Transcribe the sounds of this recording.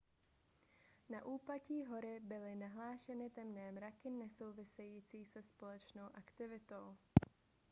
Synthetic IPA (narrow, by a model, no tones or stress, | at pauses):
naʔuːplaciːɦo̞ɾɪbɪlɪnaɦlaːʃɛnɪt̪ɛmnɛːmɾakɪnɛso̞wvɪsɛjiːt͡siːsɛspo̞lɛt͡ʃno̞wʔakt̪ɪvɪt̪o̞w